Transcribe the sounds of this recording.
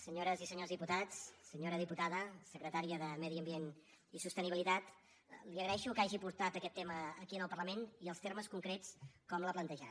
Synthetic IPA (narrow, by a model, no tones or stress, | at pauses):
səɲoɾəzisəɲozðiput̪at͡sːəɲoɾəðiput̪aðəsəkɾət̪aɾiəðəmɛðiəmbien | isust̪əniβilit̪at̪ | liəɣɾəɛʃukaʒipuɾt̪at̪əkɛt̪ːɛməːkiənəlˠpərləmeniəlˠst̪erməskuŋkɾet͡skɔmləplənt̪əʒa